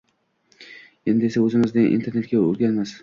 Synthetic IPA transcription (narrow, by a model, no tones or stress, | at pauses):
end̪ɪesaɵzɪmɪzd̪ɪnʔḭnt̪ʰeɾne̞t̪̚ɡʲaɵ̰ɾɡʲanmas